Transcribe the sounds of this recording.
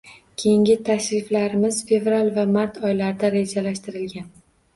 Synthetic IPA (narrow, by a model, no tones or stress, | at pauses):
kʲʰejɪŋɡʲɪt̪ʰaʃɾɪflaɾɪmɪz̥fe̞vɾalˠvamaɾt̪ʰɒjlaɾd̪aɾe̞d͡ʒalaʃt̪ɪɾɪlɡʲan